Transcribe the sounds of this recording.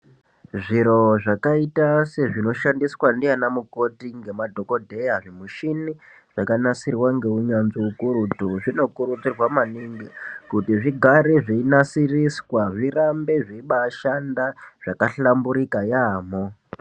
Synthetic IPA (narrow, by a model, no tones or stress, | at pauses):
ʐiɾo̞ʐakaitase̞ʐino̞ʃandiswandianamuko̞tiŋɡe̞madʱoko̞dʱe̞jaʐimuʃini | ʐ̥akanasirwaŋɡe̞uɲanziukuɾutuʐino̞kuɾud͡zirwamaniŋɡikutiʐiɡʱaɾeʐeinasiriswaʐirambe̞ʐeiɓaːʃandaʐ̥akaɬambuɾikajaːmo